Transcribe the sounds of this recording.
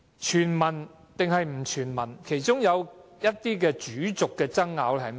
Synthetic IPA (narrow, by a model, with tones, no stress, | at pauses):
t͡ʃʰyː˨˩nmɐ˨˩n | t̪ɪ˨ŋɦɐ˨jm̩˨˩t͡ʃʰyː˨˩nmɐ˨˩nkʰe˨˩jt͡sʊ˥ŋjɐ˨˧wjɐ˥t̚t̪iː˥k̬ɛː˧t͡ʃyː˨˥t͡sʊ˨kːɛː˧t͡sɐ˥ŋːaː˨˥wɦɐ˨jm